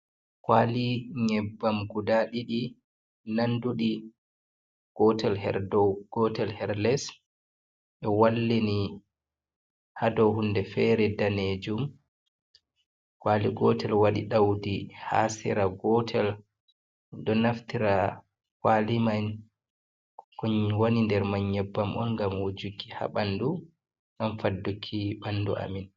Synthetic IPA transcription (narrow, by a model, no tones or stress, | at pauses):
kwaliŋɛbːamɡudaɗiɗi | nanduɗi | ɡ̥ɔtɛlhɛ̰ɾdɔɡ̥ɔtɛlhɛɾlɛs | ʔɛwalːini | hadɔwɦundɛfɛɾɛdaned͡ʒum | kwaliɡɔtʰɛlwaɗḭɗawdiha̰sɛ̰ɾaɡɔtʰɛl | dɔnaftiɾa | kwaliman | kɔɲwonindɛɾmaɲːɛbːamʔɔ̰nŋɡamwod͡ʒuɡiha̰ɓandu | ɡamfadːukʰːiɓanːdṵʔa̰min